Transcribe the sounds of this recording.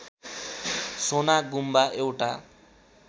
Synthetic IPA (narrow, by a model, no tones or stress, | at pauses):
sonaɡumbaewʈa̰